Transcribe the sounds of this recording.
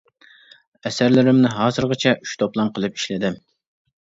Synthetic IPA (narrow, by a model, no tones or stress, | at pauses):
ɛsæɾlɪɾɪmnɪɦɑːzɨɾʁɑt͡ʃʰɛʔyʃt̪ʰoplˠɑmqʰəlˠɨpi̥ʃlɪd̪ɪm